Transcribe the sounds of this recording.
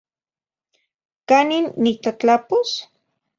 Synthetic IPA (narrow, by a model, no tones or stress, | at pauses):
kaninːit̪at͡ɬapos